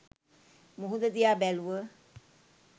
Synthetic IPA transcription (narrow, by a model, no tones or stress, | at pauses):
muɦud̪əd̪ijabɛluə